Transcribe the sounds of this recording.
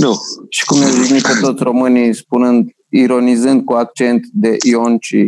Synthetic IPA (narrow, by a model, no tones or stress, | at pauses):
nuʃi̥kumnawvinit̪pet̪ot̪sʲro̞mɨnispunɨnd̪ | iɾo̞nizɨnd̪̚kuak̚t͡ʃent̪d̪eʔiont͡ʃi